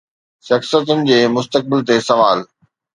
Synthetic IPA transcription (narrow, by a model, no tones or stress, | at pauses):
ʃɐxsjət̪ʊnɪ̆d͡ʑeːmʊst̪ək̚bɪlt̪esɐʋaːl